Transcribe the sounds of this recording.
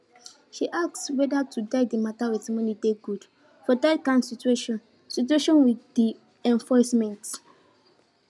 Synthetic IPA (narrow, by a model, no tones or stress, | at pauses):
ʃiʔak̚swɛdatʰudaɪdimatawitmɔ̃nideɡud | fɔdakãnsitueʃɔ̃n | situeʃɔ̃nwiddi | ɛ̃nfɔsmɛ̃nt